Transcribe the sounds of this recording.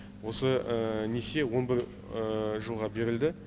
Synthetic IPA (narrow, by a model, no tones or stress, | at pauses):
wo̞səənese̞wo̞nbɪɾ | əʒəlˠʁɑbe̞ɾɪld̪ɪ